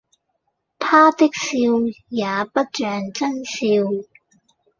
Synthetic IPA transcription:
t̪ʰaː˥t̪ɪ˥k̚siː˧wjaː˨˧pɐ˥t̚t͡ʃœː˨ŋt͡sɐ˥nsiː˧w

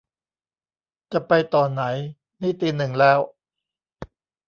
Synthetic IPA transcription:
t͡ɕa˨˩pa˧jt̪ɔː˨˩na˩˦j | niː˥˩t̪iː˧nɯ˨˩ŋlɛː˦˥w

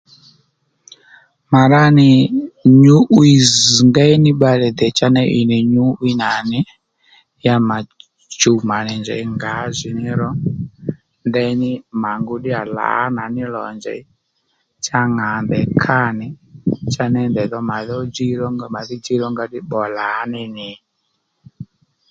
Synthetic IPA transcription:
ma˨ɾa˦ni˨ɲu˦ʔwi˨zŋɡa˦i˦ni˦ɓa˧lɛ˨d̪ɛ˨t͡ʃa˦nɛ˦ʔi˨ni˨ɲu˦wi˦na˨ni˦ | ja˦ma˨ | t͡ʃu˨ma˨nɛ˨nd͡ʒɛ̰˨i˨˦ŋɡa˨˦zʷi˨ni˦ɾɔ˦ | ndɛ˦i˦ni˦ma˨ŋɡu˦ɗi˦a˨la̰˨˦na˨ni˦lɔ̰˨nd͡ʒɛ̰˨i˦ | t͡ʃa˦ŋa˨nd̪ɛ˨kʰa˦˨ni˦t͡ʃa˦nɛ˦ndɛ˨ðɔ˦ma˨ðɔ˦d͡ʒi˦ɾɔ˦ɡma˨ði˦d͡ʒi˦ɾɔ˦ŋɡa˧˦ɗi˦ɓɔ˨la˨˦ni˧ni˨

